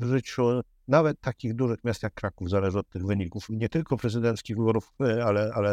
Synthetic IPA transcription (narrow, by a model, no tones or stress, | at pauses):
vʐɘt͡ɕu | navɛt̪ːakʲiɣd̪uʐɘxmʲjast̪jakːɾakuvzalɛʐɘɔt̪ːɘɣvɘɲikufɲɛt̪ɘlkɔpɾɛzɘd̪ɛnt̪skʲiɣvɘbɔɾufalɛalɛ